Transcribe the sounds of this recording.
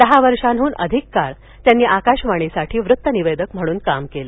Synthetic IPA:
d̪əɦaʋəɾʂanɦuːnə̰d̪ʱikːaɾ | t̪janːiːʔakaɕʋaɽ̃isaʈʰiːʋɾut̪ːəniʋed̪əkm̤əɽ̃uːnkamkelə

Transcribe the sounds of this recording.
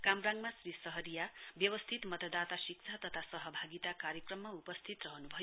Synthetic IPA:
kamraŋɡmasrisʌɦʌɾijabjʌwʌst̪ʰit̪mʌt̪ʌd̪at̪asik̚t͡sʰat̪ʌt̪ʰasʌɦʌbʱaɡit̪akaɾjʌkrʌmːaupʌst̪ʰit̪rʌɦʌnubʱʌjo

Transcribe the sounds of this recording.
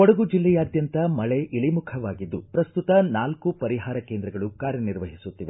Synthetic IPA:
ɔɽɐɡud͡ʒilːɛjaːd̪jɐnt̪ɐmɐɭeʔiɭimukʰɐʋaːɡid̪ːupɾɐst̪ut̪ɐnaːlkupɐɾiɦaːɾɐkeːnd̪ɾɐɡɐɭukaːɾjɐniɾʋɐɦisut̪ːiʋe

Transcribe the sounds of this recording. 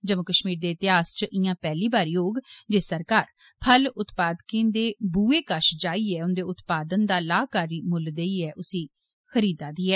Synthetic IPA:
d͡ʒəmə̃kəʃmiːɾd̪eːɪt̪ɪɦaːst͡ʃəʔɪjãːpɛːliːbaːɾjoːɡd͡ʒeːsəɾkaːɾ | pʰəlʊt̪paːd̪kẽːnd̪eːbuːeːkəʃd͡ʒaːiːɛːʊnd̪eːʊt̪paːd̪ənd̪aːlaːkaːɾiːmʊld̪eiːɛːʔʊsĩː | xəɾiːd̪aːd̪iːɛː

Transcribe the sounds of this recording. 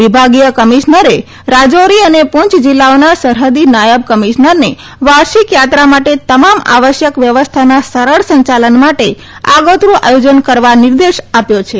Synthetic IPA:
ʋibʱaɡijəkəmiʃnəɾe | ɾad͡ʒoɾiənepʊ̃ɲt͡ʃd͡ʒilːaonasəɾɦəd̪inajəb̚kəmiʃnəɾne | ʋaɾʃikjat̪ɾamaʈet̪əmama̰ʋəʃjəkʋjəʋəst̪ʰanasəɾəɭsəɲt͡ʃalənmaʈe | a̰ɡot̪ɾũʔa̰jod͡ʒənkəɾʋanɪɾd̪eʃapjot͡ʃʰe

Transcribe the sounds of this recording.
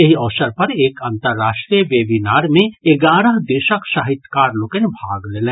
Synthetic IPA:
ɐɦiɔːsəɾpɐɾeːkãnt̪əɾːaːʃʈɾijəʋeːbinaːɾmẽeɡaːɾəɦd̪eʃəkʃaːɦɪt̪kaːɾloːkẽnbʱaːɡleːlẽː

